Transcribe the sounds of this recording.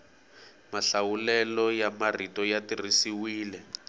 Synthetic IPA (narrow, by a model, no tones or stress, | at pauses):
maɬawulɛlɔjamaritɔjatirisiwiːlɛ